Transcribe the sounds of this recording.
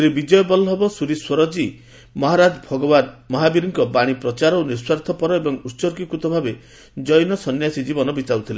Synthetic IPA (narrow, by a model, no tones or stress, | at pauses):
ɾebid͡ʒɔjɔbɔlɦɔbɔsuɾiswɔɾɔd͡ʒi | mɔɦaɾad͡ʒɔbʱɔɡɔbad̪mɔɦabiɾiŋkɔbaɽ̃ipɾɔt͡ʃaɾɔoniɾswaɾt̪ʰɔpɔɾɔebɔŋusɔɾkikut̪ɔbʱabe | d͡ʒɔjnɔsɔnjasid͡ʒibɔnɔbit̪awt̪ʰile